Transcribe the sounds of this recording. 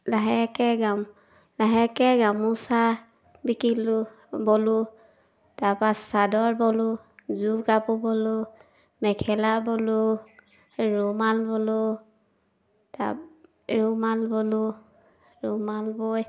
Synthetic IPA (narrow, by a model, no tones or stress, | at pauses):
laɦɛkɛɡam | laɦɛkɛɡamusa | bikilu | bɔlu | tapasadɔɹbɔlu | zukapubɔlʊ | mɛkʰɛlabɔlu | ɹɔmalbɔlʊ | ta̰ | ɹumalbɔlu | ɹumalboj